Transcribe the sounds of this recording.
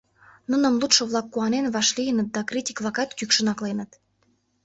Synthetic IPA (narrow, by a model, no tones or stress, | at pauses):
nə̆nə̆mlˠut̪ʃŏβlˠɑkːuɑnenvβɑʃlʲijənə̆t̪̚d̪ɑkrʲitʲi̥klˠɑkɑt̪kykʃə̆nɑklenə̆t̪